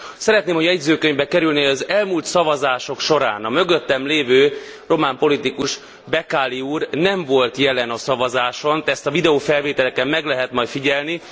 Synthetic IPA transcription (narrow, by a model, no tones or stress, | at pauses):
sɛɾɛt̪neːmhoɛɟzøːkøɲvbɛkɛɾylneːɒzɛlmuːlt̪sɒvɒzaːʃo̞kʃo̞ɾaːnɒmø̞ɡøt̪ːɛmleːvøː | ro̞maːmpo̞lit̪ikuʃ | bɛkaːliuːrnɛɱvo̞lt̪jɛlɛnɒsɒvɒzaːʃo̞nt̪ɛst̪ɒvid̪ɛoːfɛlveːt̪ɛlɛkɛmːɛɡlɛɦɛt̪mɒjt̪fiɟɛlni